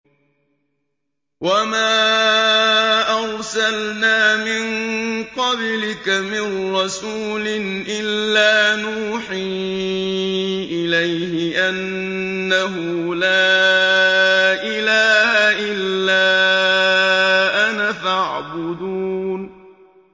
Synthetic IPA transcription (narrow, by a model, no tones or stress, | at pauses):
wamaː | ʔaɾsalnaːmɪnqɑblɪkamɪnːɑsuːlɪnʔɪlːaːnuːħiː | ʔɪlajhɪʔanː | aɦʊ | laː | ʔɪlaːhaʔɪlːaː | ʔanafaʕbʊd̪uːn